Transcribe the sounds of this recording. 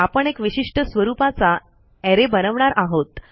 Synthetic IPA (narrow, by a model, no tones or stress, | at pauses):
apəɳekʋiɕiʂʈəsʋəɾupat͡sa | ɛɾebənəʋɳaɾʔaɦot̪